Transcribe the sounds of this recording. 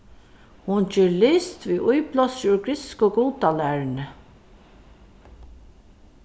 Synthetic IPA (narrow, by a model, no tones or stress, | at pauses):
hʊnt͡ʃeːɹlɪst̪viːʔʊjplɔsʊɹɡɾɪskoɡuːt̪alæːɹnə